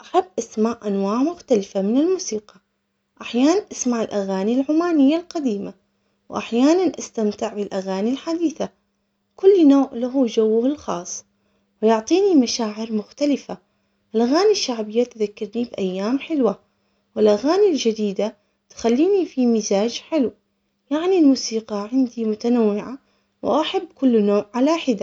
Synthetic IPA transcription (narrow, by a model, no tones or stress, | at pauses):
ʔaħabːʔasmaʕʔanwaːʕmʊxt̪alɪfamɪnɪlmuːsiːqɑ | ʔaħjaːnanʔasmaʕɪlʔaɣaːnilʕʊmaːnɪjːalqad̪iːma | wʔaħjaːnanʔast̪amt̪ɪʕbɪlʔaɣaːnilħad̪iːθa | kʊlːnoːʕlaɦud͡ʒawːʊhɪlxɑ̰ːsˤː | wɪjʊʕt̪ˤiːnimaʃaːʕɪɾmʊxt̪alɪfa | ʔɪlʔaɣaːniʃːaʕbɪjːat̪ðakːɑɾˤnibʔajːaːmħɪlwa | wɪlʔaɣaːnild͡ʒɪd̪iːd̪a | t̪xalːiːnifimɪzaːd͡ʒħɪlw | jaʕnilmuːsiːqɑʕɪnd̪imʊt̪anawːɪʕa | wʔaħabːkʊlːnoːʕʕalaħɪd̪a